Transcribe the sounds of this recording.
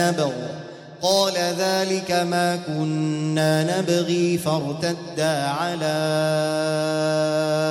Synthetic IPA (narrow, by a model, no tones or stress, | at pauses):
abɪɣ | qɑːlaðaːlɪkamaːkʊnːaːnabɣiːfɑɾˤt̪ad̪ːaːʕalaː